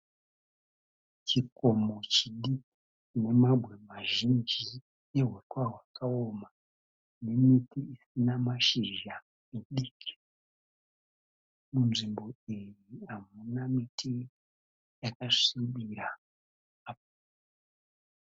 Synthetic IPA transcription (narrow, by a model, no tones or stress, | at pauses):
t͡ʃikomo̞t͡ʃiɗiki̥ | t͡ʃine̞mabʱwe̞maʒind͡ʒi | neɦwekwaɦwakaoma | ne̞mitiisinamaʃiʒa | eɗikʰi̥ | munʐimbo̞iriɦamunamitʰi | jakaʂiɓiɾa | apa